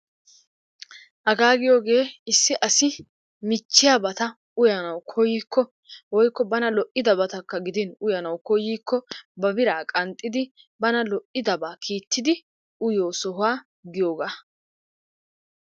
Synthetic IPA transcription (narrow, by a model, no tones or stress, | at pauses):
ʔɐɡaːɡɪjo̞ːɡe̞ːɪsːɪʔɐsɪ | mɪt͡ʃːɪjabɐt̪ɐ | ʊjɐnɐwkʰɔjiːkʰːɔ | wɔjkːɔbɐnɐlɔʔɪd̪ɐbɐt̪ɐkːɐɡɪd̪ɪnʊjɐnɐwkɔjiːkːɔbɐbɪɾaːkʼɐnt̪ʼːɪd̪ɪ | bɐnɐlɔʔɪd̪ɐbaːkʰiːt̪ːɪd̪ɪ | ʔʊjoːsɔɦʊaː | ɡɪjoːɡaː